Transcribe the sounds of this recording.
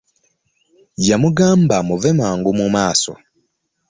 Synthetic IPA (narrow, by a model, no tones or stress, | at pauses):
jamuɡaːmbamuvemaːŋɡumumaːso̰